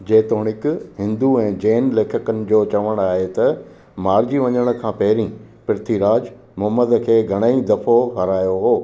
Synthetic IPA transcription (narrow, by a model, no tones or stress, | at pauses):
d͡ʑeːt̪oːɽ̃ɪkɦɪ̃nd̪uɛ̃ːd͡ʑeːnleːkʰəkənɪ̆d͡ʑoːt͡ɕɐʋəɽ̃aːɦet̪ɐ | maːɾd͡ʑiʋɐɲəɽ̃̆kʰãːpɐɦɪɾĩ | pɪɾt̪ʰiɾaːd͡ʑ | mʊɦəməd̪kʰeːɡʱɐɽ̃əid̪ɐfoɦɐɾaːjoɦoː